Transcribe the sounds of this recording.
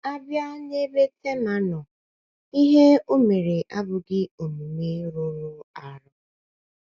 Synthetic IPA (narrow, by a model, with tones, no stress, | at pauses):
a˦bja˦ɲe˦be˦te˦ma˦nɔ˨ | i˦ɦe˦o˦me˨ɾe˨ʔa˦bʊ˨ɡɪ˦o˨mu˨me˦ɾʊ˦ɾʊ˦a˨ɾɔ˦